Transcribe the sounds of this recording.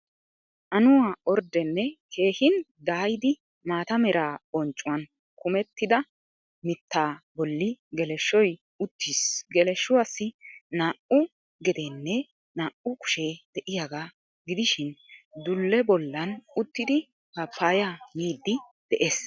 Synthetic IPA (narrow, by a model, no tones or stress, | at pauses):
ʔɐnʊwaːɔɾd̪ɛnːɛke̞ːhɪnd̪aːjɪd̪ɪ | maːt̪ɐmɛɾaːɔnt͡ʃʼːʊwɐn | kʊmɛt̪ːɪd̪ɐ | mɪt̪ːaːbɔlːɪɡɛlɛʃːɔj | ʊt̪ʰːiːsɡɛlɛʃːʊwasːɪnaːʔʊ | ɡɛd̪enːɛ | naːʔʊkʊ̥ʃeːd̪̥ɛʔɪjaɡaː | ɡɪd̪ɪʃɪnd̪ʊlːɛbɔlːɐnʊt̪ːɪd̪ɪ | kɐpʰːaːjamiːd̪ːɪd̪̥ɛʔeːs